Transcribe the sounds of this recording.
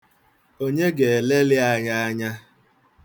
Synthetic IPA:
o˦ɲe˦ɡe˨le˦lɪ˦a˦ɲa˦a˦ɲa˦

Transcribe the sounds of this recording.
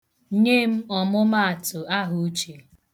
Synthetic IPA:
ɲe˦m̩˦ɔ˨mʊ˦ma˦a˨tʊ˨a˦ɦʊ˨u˦t͡ʃi˨

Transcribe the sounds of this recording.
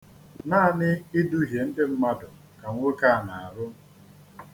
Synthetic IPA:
na˦˨nɪ˦i˦du˦ɦje˨n̩˦dɪ˦m̩˦ma˦dʊ˨ | ka˨ŋʷo˦ka˦˨na˨a˨ɾʊ˦

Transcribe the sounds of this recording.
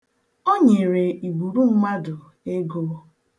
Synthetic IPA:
o˦ɲe˨ɾe˨i˨ɡ͡bu˨ɾu˦m̩˦ma˦dʊ˨ | e˦ɡoː˦

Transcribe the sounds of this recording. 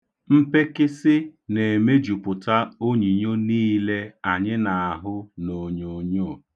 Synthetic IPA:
m̩˦pe˦kɪ˦sɪ˦ne˨e˨me˦d͡ʒu˨pʊ˨ta˦o˦ɲi˨ɲo˦niː˦le˦a˨ɲɪ˦na˨a˨ɦʊ˦no˨ɲo˨ɲo˦˨

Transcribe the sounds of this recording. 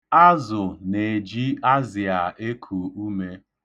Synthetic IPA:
a˦zʊ˨ne˨d͡ʒi˦a˦zi˨a˨e˦kʰu˨u˦me˦

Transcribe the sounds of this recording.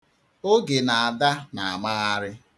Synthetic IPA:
o˦ɡe˨na˨a˨da˦na˨a˨ma˦ɣa˦ɾɪ˦

